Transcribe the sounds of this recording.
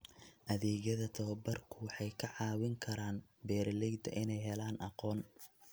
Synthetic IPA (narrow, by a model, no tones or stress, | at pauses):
ʔɐðɛːɣjɐðɐt̪ʰɐbɐrkʰʊwɑħɑjkʰɐʕɑːwɪŋkʰɐɾaːnbɛːrlɛjd̪ɐ̰ʔɪnɛjɦɛlaːnʔɑ̰qɔːn